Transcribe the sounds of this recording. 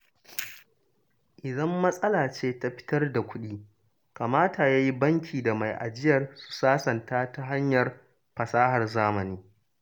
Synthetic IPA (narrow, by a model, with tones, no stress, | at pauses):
ʔɪ˨zɐ˦mːɐ˦sʼɐ˦laː˨t͡ʃeː˦ta˦ɸɪ̥˦tɐ˦rda˨kʷʊ˦ɗiː˦ | ka˨maː˦ta˨jaː˦ji˦bɐ˦ŋkʲʰiː˨da˨ma˨jʔa̰˨d͡ʒɪ˦jɐ˨rsu̥˨saː˦sɐ˨ntaː˦ta˦ɦa˦ɲjɐ˨r | ɸɐ˨saː˦ɦɐ˨rzaː˦mɐ˨niː˦